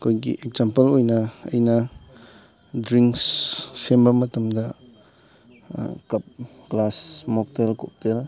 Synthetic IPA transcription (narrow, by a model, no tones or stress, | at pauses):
kʰojɡḭʔek̚zampɐlojnɐɐ̰jnɐ | dɾiŋksːembɐmɐtɐmdɐ | kɐp̚ | ɡlasmɔk̚telkop̚tel